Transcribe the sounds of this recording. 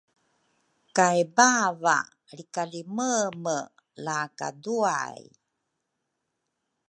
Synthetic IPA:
kajbava̰ | ɾikaliməmə | laka̰dua̰j

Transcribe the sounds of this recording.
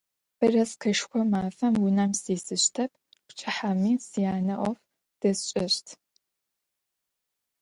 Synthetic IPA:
b̥ɨrɐskʰɐʃxʷɔmaːfɐmwʊnɐmsiːsɨɕtʰɐp̚ʰ | pʷt͡ʃʰʼɪħamiːsijaːnɐʔʷʼɔf | d̥ɐsɕʼɪrtʰ

